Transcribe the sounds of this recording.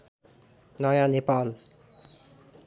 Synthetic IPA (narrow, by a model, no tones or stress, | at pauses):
nɔjanepal